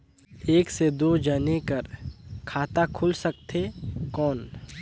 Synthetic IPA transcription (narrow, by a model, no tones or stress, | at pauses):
eːksed̪oːd͡ʒənekəɾkʰaːt̪akʰʊlsək̚t̪ʰekɔːn